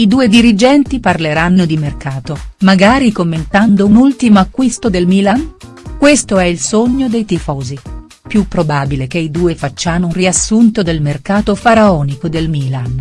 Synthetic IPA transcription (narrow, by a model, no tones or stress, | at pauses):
id̪uːed̪iɾid͡ʒɛnt̪iparleɾanːod̪imerkaːt̪omaɡaːɾikomːent̪and̪ounult̪imoakːwist̪od̪elmiːlan | kwest̪oɛilsoɲːod̪ejt̪ifɔːzi | pjupːɾobaːbilekeid̪uːefat͡ʃːaːnouriasːunt̪od̪elmerkaːt̪ofaɾaɔːnikod̪elmiːlan